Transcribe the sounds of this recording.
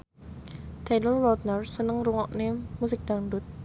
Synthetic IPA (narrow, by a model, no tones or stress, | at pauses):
t̪enəlwɔt̪̚nərsənəŋruŋɔʔnemusɪk̚ɖ̥anɖʊt̪̚